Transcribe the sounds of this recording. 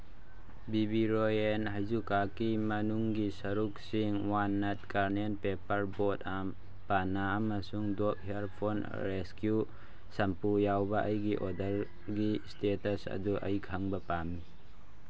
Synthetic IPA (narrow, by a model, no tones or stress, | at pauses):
bibiɾojenɦajzukakimɐnuŋɡisɐɾuk̚siŋwanːɐt̚kaɾnenpepɐɾbotam | panːaːmɐsuŋdɔp̚heaɾpʰon | ɾeskju | sɐmpujawbɐʔɐjɡiʔɔdɐɾ | ɡistetɐsɐ̰duʔɐ̰jkʰaŋbɐpamːi